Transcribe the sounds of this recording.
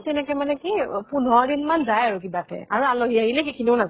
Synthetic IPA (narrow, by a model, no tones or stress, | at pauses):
tɛnɛkɛmanɛkipunɔɹdinmanzajaɹuk̬ibatɛ̰aɹualoɦiaɦilɛkikʰiniʊnaza